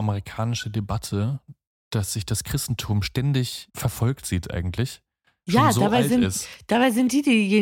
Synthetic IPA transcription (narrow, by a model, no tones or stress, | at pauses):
ʔaməʁikʰaːnɪʃədebatʰə | d̥asz̥ɪçd̥askʁ̥ɪstn̩tʰuːmʃtɛndɪçfɛɐfɔlk̚tz̥iːtʔa̰ɪɡŋ̩tʰlɪç | ʃjaːzoaːbaɪlzɪnɪsstd̥aːbaɪzɪnt̚d̥iːdiːje